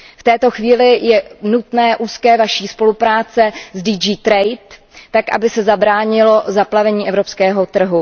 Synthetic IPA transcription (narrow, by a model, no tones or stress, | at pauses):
ft̪ɛːt̪o̞xviːlɪjɛnut̪nɛːʔuːskɛːvaʃiːspo̞lupɾaːt͡sɛzdiːd͡ʒiːt̪ɾɛjt̪ː | akʔa̰bɪsɛzabɾaːɲɪlo̞zaplavɛɲiːʔɛvɾo̞pskɛːɦo̞t̪r̩ɦu